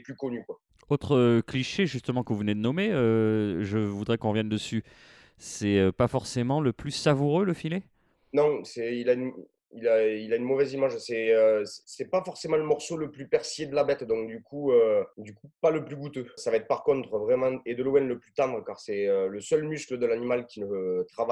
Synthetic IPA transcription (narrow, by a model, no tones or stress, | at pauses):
plykɔnykwa | ot̪χəkliʃeʒyst̪əmɑ̃kəvuvəned̪ənɔmeøʒəvud̪ʁɛkɔ̃ʁvjɛnd̪əsy | sɛøpafɔʁsemɑ̃ləplysavuʁøləfile | nɔ̃sɛilayn | ilailaynmɔvɛzimaʒsɛøsɛ̥sɛpafɔʁsemɑ̃ləmɔʁsoləplypɛʁsjed̪əlabɛt̪d̪ɔ̃k̚d̪ykʰuød̪ykupaləplyɡut̪øsavaɛt̪χəpaʁkɔ̃t̪χəvʁɛmɑ̃ed̪əloɛnləplyt̪ɑ̃d̪ʁəkaʁsɛøləsœlmyskləd̪əlanimalkʲilət̪χava